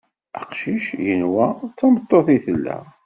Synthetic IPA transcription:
əqʃiʃjənwæt͡sːɑmət̪ˤːoθiθəlːæ̰

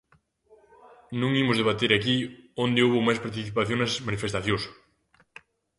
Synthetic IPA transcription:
nũŋimʊzðeβ̞at̪eɾakiond̪ɪowβomajspaɾt̪̬iθipaθjoŋnɐsmanifest̪aθjos

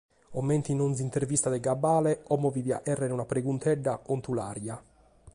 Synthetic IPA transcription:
ɔmːeɛnt̪inonzint̪ervist̪ad̪ɛɡabːaːlɛɔmːɔvivia̰ʔɛrːɛnunapɾeɡunt̪ʰɛɖːaont̪ula̰ːɾja

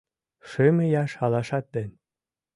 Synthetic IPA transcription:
ʃemĕjɑʃɑlɑʃɑt̪̚d̪enʲ

